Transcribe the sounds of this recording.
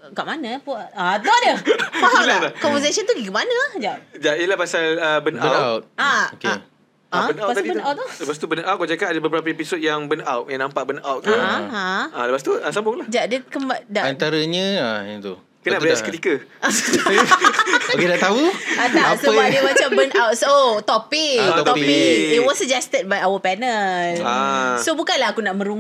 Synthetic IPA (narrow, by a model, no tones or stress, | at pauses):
kaʔmanə̃puaat̪odəpaɦailalakɔmvəsasənt̪uɡiɡəmanə̃ahd͡ʒad͡ʒaʔiəlahpasaləbənawawt̪̚aoke | abənapabənawt̪tuləpast̪ubənawt̪̚kod͡ʒakanadabəbəɾap̬əepisot̚jaŋbənawt̚jaŋnãmpaʔbənawt̪̚u | aləpas̬t̪uəsambʊhlahd͡ʒaʔadəkəmadaʔant̪aɾəɲə̃ait̪u | kənnaəiaskət̪ikəʔas | okedaʔt̪auadaasəbadəmat͡ʃambənawt̪̚sot̪ɔpikt̪ɔiit̚wɔsːəd͡ʒɛst̪əd̚bajawəpɛnəlasobukanlaɦakunaʔmə̃ɾuŋ